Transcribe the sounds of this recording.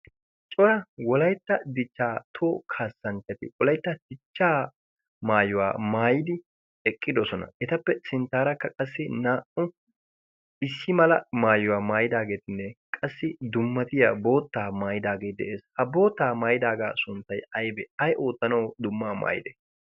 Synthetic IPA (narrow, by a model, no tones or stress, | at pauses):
t͡ʃʼɔɾɐwɔlɐjt̪ːɐd̪ɪt͡ʃːaːt̪ʰoːkʰaːsːɐnt͡ʃːɐt̪ɪwɔlɐjt̪ːɐd̪̥ɪt͡ʃːaː | maːjʊwaːmaːjɪd̪ɪ | ɛkʼːɪd̪ɔsɔnɐ̰ʔɛt̪ɐpːɛsɪnt̪ːaːɾɐkːɐkʼɐsːɪnaːʔʊ | ɪsːɪmɐlɐmaːjʊwaːmaːjɪd̪aːɡe̞ːt̪ɪnːɛkʼɐsːɪd̪ʊmːɐt̪ɪjabo̞ːt̪ːaːmaːjɪd̪aːɡeːd̪ɛ̰ʔeːshɐbo̞ːt̪ːaːmaːjɪd̪aːɡaːsʊnt̪ːɐjɐjbɛɐjʔo̞ːt̪ːɐnɐwd̪ʊmːaːma̰ːjɪd̪ɛ̰